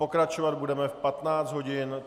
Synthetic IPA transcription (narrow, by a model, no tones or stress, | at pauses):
o̞kɾat͡ʃovad̪budɛmɛfpat̪naːt͡szd̪ɦo̞ɟɪn